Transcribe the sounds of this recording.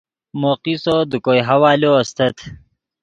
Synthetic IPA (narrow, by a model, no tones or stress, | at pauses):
moːqisod̪ukojɦɐwaːljoɐst̪ɐt̪ʰ